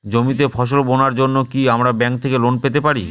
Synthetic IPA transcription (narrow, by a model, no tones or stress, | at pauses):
d͡ʑomit̪efʰɔʃ̬olbonaɾd͡ʑonːokiamɾabɛŋk̚t̪ʰekelonpet̪epaɾi